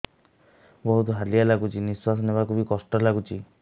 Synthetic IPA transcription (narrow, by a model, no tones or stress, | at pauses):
bɔɦut̪ɔɦalialaɡut͡ʃiniswasɔnebakubikɔsʈɔlaɡut͡ʃʰi